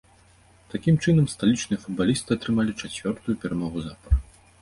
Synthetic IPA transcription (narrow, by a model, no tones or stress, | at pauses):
t̪akʲimt͡ʂɨnɐmst̪alʲit͡ʂnɨjɐfud̪̚balʲist̪ɨat̪ɾɨmalʲit͡ʂat͡sʲvʲɔrt̪ujupʲɛɾamɔɣuzapɐr